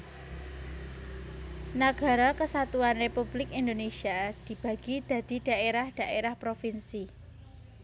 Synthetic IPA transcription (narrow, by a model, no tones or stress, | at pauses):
naɡ̥a̤ɾɔkəsat̪uanrepub̥lɪkind̪onesiad̪̥i̤b̥ä̤ɡ̥id̪̥ä̤d̪̥i̤d̪̥a̤ʔeɾahd̪̥a̤ʔeɾahpɾofinsi